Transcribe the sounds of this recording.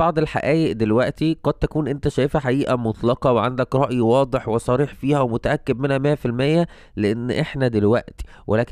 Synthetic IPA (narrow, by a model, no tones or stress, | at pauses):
ɑʕd̪ˤelħa̰ʔæːjeʔd̪elwæʔt̪iqɑd̪̚t̪ækuːnʔent̪æʃæːjefæħaʔiːʔæmot̪ˤlɑqɑweʕand̪ækɾˤɑʔjwɑːd̪ˤeħwesˤɑɾiːħfiːhæwemʊt̪æʔækːeb̪menhæmæːfilmæːjːæ | leʔenːʔeħnæd̪elwæʔt̪i̥ | wʔelæːk